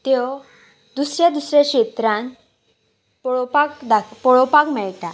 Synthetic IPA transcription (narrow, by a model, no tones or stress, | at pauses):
t̪ew | d̪usɾjad̪usɾjeɕet̪ɾãn | ppakd̪apɔɭɔpakmɛɭʈ̪a